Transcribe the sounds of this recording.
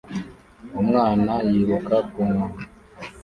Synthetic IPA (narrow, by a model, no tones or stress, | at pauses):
umŋaːnajiβukakuŋu